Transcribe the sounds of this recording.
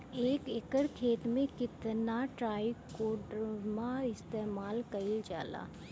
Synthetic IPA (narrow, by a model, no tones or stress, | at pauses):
eːkɪkəɽkʰeːt̪mẽkɪt̪naʈɾaːikoːɖəɾmãɪst̪eːmaːlkɐɪld͡ʒa̰ːla̰ː